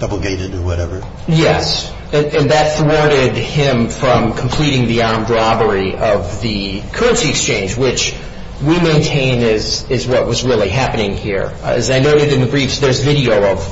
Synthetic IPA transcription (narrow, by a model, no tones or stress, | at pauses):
d̥ʌbl̩ˠɡẽɪ̃nɨ̃nə˞wʌɾɛvə˞ | jɛs | ɨ̃nɨ̃nðɨt̪̚θɹɔɹɾɪd̚ɪ̃ɱfɹʌ̃mkʰm̩pʰl̥iɾɪ̃ŋðiɑɹmdɹɑbə˞iʔʌvðɨkʰɜ˞ɨ̃nsiɨkst͡ʃʰẽɪ̃nd͡ʒwɪt͡ʃ | wimẽɪ̃ntʰẽɪ̃nɪzɪzwʌt̚wʌzɹɪlˠiɦæpɨnɪ̃ŋhḭɹɨ̰zaɪnoʊɾɨɾɨ̃nðɨbɹifsðə˞zvɪɾioʊʌv̥